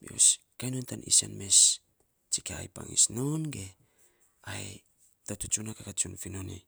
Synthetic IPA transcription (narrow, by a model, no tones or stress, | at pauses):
bio̰s | kajnontanʔisanmes | t͡ʃikaajpa̰ŋḭsnonɡe | aj | tatut͡ʃunakakat͡ʃunfinoni